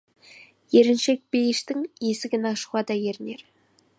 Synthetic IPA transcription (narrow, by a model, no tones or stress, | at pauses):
jeɾɪnʃe̞k̚bejɪʃt̪ɪŋjesɪɡʲɪnɑʃʊʁɑd̪ɑjeɾɪne̞ɾ